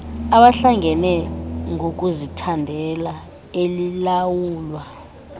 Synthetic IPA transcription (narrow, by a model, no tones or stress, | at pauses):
aɓaɬaŋɛnɛŋok̬ʼuzitʰandʱɛla | elilawuːlwa